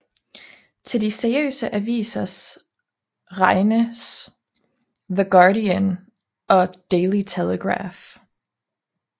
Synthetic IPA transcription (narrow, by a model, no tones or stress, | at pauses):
t͡sʰe̝ldiseɐiø̰ːsəʔæʋḭːsɐs | ʁɑɪnəs | ðəɡ̥ɑːɾiən | ʔɒ̽d̥eɪlit͡sʰeləɡ̥ʁɑ̰ːf